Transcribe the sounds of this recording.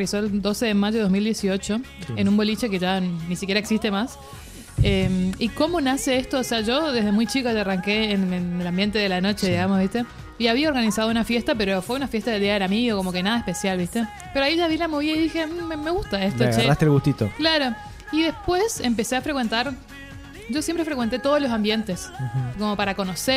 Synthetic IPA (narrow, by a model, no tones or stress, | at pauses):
eso̞eld̪o̞se̞ðemaʒoomild̪je̞sio̞t͡ʃo̞enũmbo̞lit͡ʃe̞keʒanisikʲjeɾaeksist̪emas | emiko̞mo̞naseest̪oːseaʒo̞ðe̞ɦðemujt͡ʃikoʒaaraŋkeːnenelambje̞nt̪e̞ðelano̞t͡ʃe̞ðiɣamoszβiht̪e̞ | iaβiaoɾɣanisað̞ounafje̞st̪ap̬eɾofweunafje̞st̪aðeld̪iaðelamiɣoko̞mo̞kenaðaehpe̞sjalβist̪e̞ | peɾoaiʒaβilamoβiaiðixe̞emeɣust̪aest̪oɣt͡ʃeast̪elɣust̪it̪o̰klaɾo̞ | iðespwesemp̬e̞se̞afɾekwe̞nt̪aɾ | ʒo̞sjempɾe̞fɾekwent̪e̞t̪o̞ð̞olo̞s̬ambje̞nt̪e̞sko̞mo̞paɾako̞no̞se